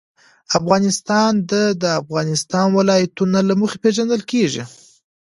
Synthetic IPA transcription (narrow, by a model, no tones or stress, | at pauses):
afɣɑnɪst̪ɑnd̪əd̪əafɣɑnɪst̪ɑnwɪlɑjat̪unalamuxepeʒand̪əlkeʐḭ